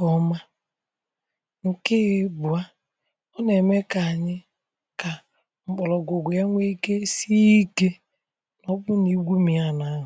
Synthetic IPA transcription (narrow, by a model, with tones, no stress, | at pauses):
kɔ˨ma˦ | ŋ̩˨kɪ˦˨˦bʊ˨a˦ | ɔ˦ne˨me˦ka˨ɲɪ˦ | ka˨ | ŋ͡m̩˨k͡pɔ˨lɔ˨ɡʊ˨ɡʊ˨ja˦ŋʷe˦i˦ke˦si˦i˦ke˦ | nɔ˦bʊ˦ni˨˦ɡʷu˦mi˨a˦na˦ɦʊ˨